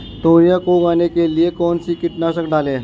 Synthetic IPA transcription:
ʈoɾjakoɡanekeliekɔnt͡siːkiʈ̪naɕəkdʱale

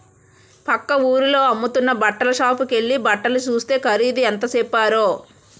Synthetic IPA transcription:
pɐkːɐuːɾulo̞ːɐmːut̪unːɐbɐʈːɐlɐʃaːpuke̞ɭːibɐʈːɐlut͡ʃuːst̪e̞ːkʰɐɾiːd̪iɐnt̪ɐsɛːpːaːɾoː

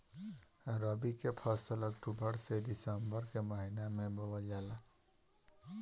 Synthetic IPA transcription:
ɾəbikepʰaːsəlɐkʈubəɾsed̪ɪsəmbəɾkemaɦinamẽbəwad͡ʒaːla

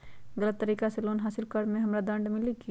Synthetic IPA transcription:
ɡələt̪ːəɾiːkaseloːnɦaːsɪlkəɽmẽɦɐmɾad̪ɐ̃ɳɖmɪliki

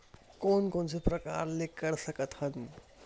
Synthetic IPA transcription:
koːnkonsʰepɾəka̰ɾlekəɾsəkət̪hən

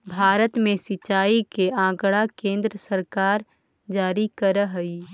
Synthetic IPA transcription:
bʱaːɾət̪mẽsɪt͡ʃːaːikeãːkɽakẽːnd̪ɾəsəɾkaːɾ | d͡ʒaːɾikəɾəɦəi

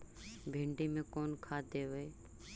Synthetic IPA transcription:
bʱɪ̃ːɳɖiːmẽkoːnkʰaːd̪ʱeːɦoeː

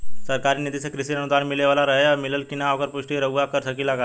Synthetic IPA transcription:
səɾkaɾiːnid̪isekɾisinənud̪ʱanmileʋalaɾəɦjamiləlkinaːʋəkəɾpuʂʈiɾəʋʋakəɾsəkilaka

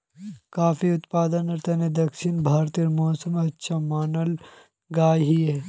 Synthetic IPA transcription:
kaːfiʊt̪paːd̪ənɐɾt̪ɐned̪ɐkʃɪnbʱaːɾt̪iɾmɔːsəmɐtːʃʰamaːnəl | ɡaːjɦiɦɛː

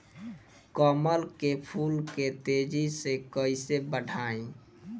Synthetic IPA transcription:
kəməlkepʰulket̪ed͡ʒisekəisebəɖʱaẽ

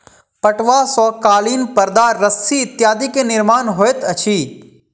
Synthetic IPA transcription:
pɐʈʋaːsɔːkaːliːnpəɾd̪aːɐsiɪt̪jaːd̪ikenɪɾmaːnɦoːet̪ɐt͡ʃʰiː

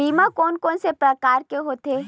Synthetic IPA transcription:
iːmãkɔːnkɔ̃ːnsepɾɐkaːɾkeɦoːt̪eː

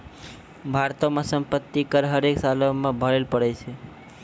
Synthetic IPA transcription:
bʱaɾt̪omasəmpət̪ːikəɾɦəɾeksalomebʱəɽelpəɽɛt͡ʃʰɛ

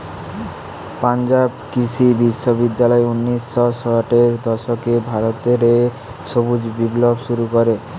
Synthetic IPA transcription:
pand͡ʑabkisʰibiʃːobid̪ːalɔeunːiʃːɔsɔʈeɾd̪ɔʃokebʱaɾot̪eɾe | ʃobud͡ʑbiblobʃuɾukɔɾe

